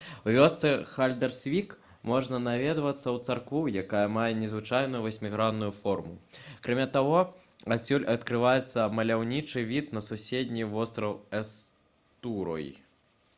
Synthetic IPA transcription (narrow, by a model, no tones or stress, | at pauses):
wvʲɔst̪sɛxalʲd̪ɐrsʲvʲik | mɔʐnɐnavʲɛd̪vɐt̪sːɐwt̪sarkvujakajɐmajɛnʲɛzvɨt͡ʂajnujuvɐsʲmʲiɣɾanːujufɔrmukɾamʲat̪aɣɔ | asʲulʲɐt̪kɾɨvajɛt̪sːɐmɐlʲawnʲit͡ʂɨvʲit̪nɐsusʲed̪ʲnʲijvɔst̪ɾɐwɛs | t̪uɾɔ̰jḭ